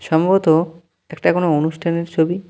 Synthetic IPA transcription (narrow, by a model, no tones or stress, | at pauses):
ʃɔmbot̪o | ɛkʈakonoonuʃʈʰaneɾt͡ɕʰobi